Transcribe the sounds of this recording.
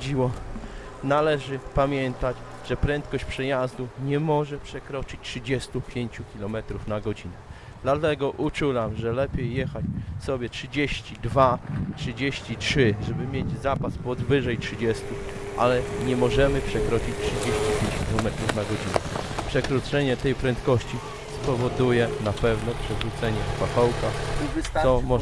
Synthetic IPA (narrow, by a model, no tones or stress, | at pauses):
d͡ʑiwɔ | nalɛʐɘpamʲjɛnt̪ad͡ʑ | ʐ̥ɛpɾɛnt̪kɔɕt͡ɕpʂɛjazd̪uɲɛmɔʐɛpʂɛkɾɔt͡ʂɘt͡ɕʲtʂɘd͡ʑɛst̪upʲjeɲt͡ɕukʲilɔmɛt̪ɾufnaɡɔd͡ʑinɛ | d̪lat̪ɛɡɔʔut͡ʂulamʐɛlɛpʲjejːɛxat͡ɕfsɔbʲjɛtʂɘd͡ʑeɕt͡ɕid̪vatʂɘd͡ʑeɕt͡ɕitʂɘʐɛbɘmʲjed͡ʑzapaspɔd̪vɘʐɛjtʂɘd͡ʑɛst̪u | ʔa̰lɛɲɛmɔʐɛmɘpʂɛkɾɔt͡ɕit͡ɕtʂɘd͡ʑeɕt͡ɕipʲjeɲt͡ɕkʲilɔmɛt̪ɾufnaɡɔd͡ʑinɛ̰pʂɛkɾut̪sɛɲɛt̪ɛjpɾɛnt̪kɔɕt͡ɕi | spɔvɔd̪ujɛnapɛvnɔpʂɛvɾut̪sɛɲɛfpaxɔwkaxɔmɔ